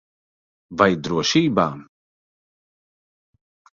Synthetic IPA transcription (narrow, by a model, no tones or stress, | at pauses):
vajd̪ɾuɔʃiːbaːm